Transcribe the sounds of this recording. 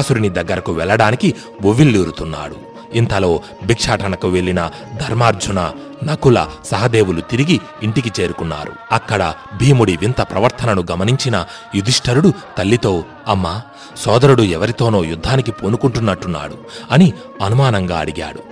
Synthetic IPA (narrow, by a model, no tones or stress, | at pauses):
suɾinid̪ɐɡːɐɾɐkuʋɛlːɐɽaːniki | ʋuʋilːiːɾut̪unːa̰ːɽṵ | int̪ɐlo̞ː | bʱikʂaːʈɐnɐkuʋe̞ɭːinɐ | d̪ʱɐɾmaːɾd͡ʒʱunɐ | nɐkulɐ̰sɐɦɐd̪e̞ːʋulut̪iɾiɡiːɳʈik̬it͡ʃe̞ːɾukunːa̰ːɾṵɐkːɐɽɐbʱiːmuɽiʋint̪ɐpɾɐ̰ʋɐɾt̪ʰɐnɐnuɡɐmɐniɲt͡ʃinɐ | jud̪ʱiʂʈʰɐɾuɽut̪ɐlːit̪o̞ː | ɐmːaː | sɔːd̪ɐɾuɽuɛʋɐɾit̪o̞ːno̞ːjud̪ʱːaːnik̬ipoːnukuɳʈunːɐʈːunːa̰ːɽuɐni | ɐnumaːnɐŋɡaːɐɽiɡa̰ːɽu